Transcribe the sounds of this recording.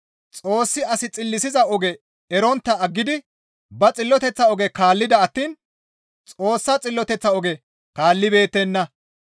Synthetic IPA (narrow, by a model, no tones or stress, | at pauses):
t͡sʼo̞ːsːɪɐsɪt͡sʼɪlːɪsɪzɐɔɡɛ | ɛɾɔnt̪ːɐɐɡːɪd̪ɪ | bɐt͡sʼɪlːɔt̪ɛt͡sːɐɔɡɛkaːlːɪd̪ɐɐt̪ːiːn | t͡sʼo̞ːsːɐt͡sʼɪlːɔt̪ɛt͡sːɐɔɡɛ | kaːlːɪbe̞ːt̪ːɛnːɐ